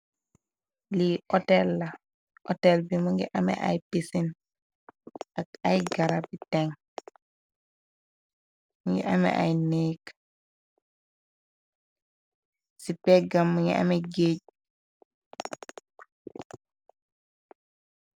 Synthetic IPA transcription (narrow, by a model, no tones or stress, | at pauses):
liɔtɛlːa | ʔɔtɛlbimuŋɡɛʔamɛ̰ʔa̰jpisin | akajɡaɾabitɛŋ | ŋɡɛ̰ʔamɛ̰ʔa̰jneːk | sipɛɡamːuŋɡɛ̰a̰mɛɡeɟ